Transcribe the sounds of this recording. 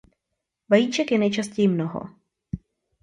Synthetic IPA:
vajiːt͡ʃɛkjɛnɛjt͡ʃascɛjɪmnoɦo̰

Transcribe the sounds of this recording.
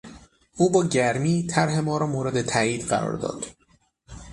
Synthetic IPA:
ʔuːbɒːɟæɾmiːt̪ʰæɾɦe̞mɒːɾɒːmoːɾe̞d̪et̪ʰæːiːd̪ɢæ̰ɾɒ̰ːɾd̪ɒ̰ːd̪̥

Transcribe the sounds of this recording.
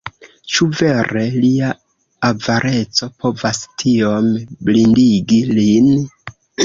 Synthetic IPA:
t͡ʃuve̞ɾe̞lia | avaɾʔe̞t͡so̞pʰo̞vastʰio̞mblindiɡilin

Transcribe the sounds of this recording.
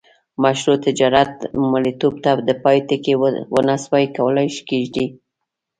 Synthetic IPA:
maʃɾot̪ɪd͡ʒɑɾat̪̚malit̪ob̚t̪ad̪əpɑjt̪ɪkewə̰naswajkawəlajʃi̥keʒd̪i

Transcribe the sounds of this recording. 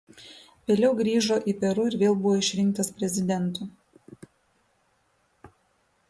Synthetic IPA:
ʋʲeːlʲɛʊɡɾʲiːʒoːʔiːˑpʲɛɾʊɪɾʋʲeːlˠbʊʋoːɪʃʲɾʲɪŋkt̪ɐspʲɾʲɛzʲɪd̪ʲɛnt̪ʊ

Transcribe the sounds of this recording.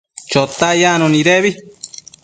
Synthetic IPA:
t͡ʃot̪ːajanoniɾeβi

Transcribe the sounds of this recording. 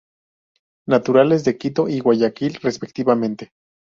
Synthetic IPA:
nat̪uɾalez̬d̪e̞kit̪oʔiwaʝakilrespek̚t̪iβamẽnt̪e

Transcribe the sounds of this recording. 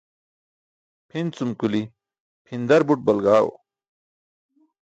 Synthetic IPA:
pʰint͡sumkuli | pʰind̪ɐɾbuʈ̚bɐlɡaːwo̰

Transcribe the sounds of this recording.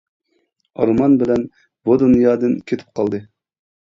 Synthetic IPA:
ɑ̰ɾmɑnbɪlɛn | bod̪unjɑːd̪ɨnkʲʰet̪ʰɪ̥p̚qʰɑlˠd̪ɨ

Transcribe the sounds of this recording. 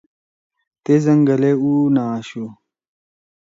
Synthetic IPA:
t̪ezɐŋɡɐleunaːɕu

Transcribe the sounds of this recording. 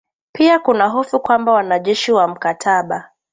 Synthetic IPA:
piakunaɦɔfukwambawanaʄɛʃiwam̩katʰaɓa

